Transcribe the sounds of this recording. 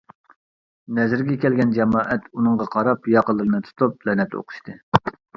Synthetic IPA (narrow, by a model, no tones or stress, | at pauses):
nɛzɪɾɡʲɛkʲʰɛlɡʲɛnd͡ʒɛmɑːʔɛt̪unɨŋʁɑqʰɑɾɑpjɑqəlˠːɨɾɨnɨt̪ʰu̥t̪ʰuplɛnɛt̪o̰qʰʊ̥ʃt̪ɨ